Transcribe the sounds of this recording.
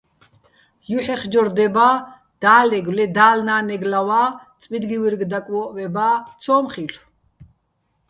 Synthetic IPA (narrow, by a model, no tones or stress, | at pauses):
juħɛχd͡ʒɔɾd̪ɛba | d̪̥aːlɛɡlɛd̪aːlnaːnɛɡlawat͡sʼmid̪ɡiwiɾɡd̪akʼwɔːʔvɛbat͡sʰɔːmχiɬ